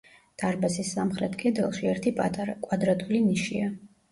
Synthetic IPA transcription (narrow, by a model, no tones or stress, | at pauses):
d̪̥aɾbasisːamχɾɛt̪ʰɡʼɛd̪ɛlˠʃiɛɾt̪ʰipʼkʼwad̪ɾat̪ʼuliniʃḭa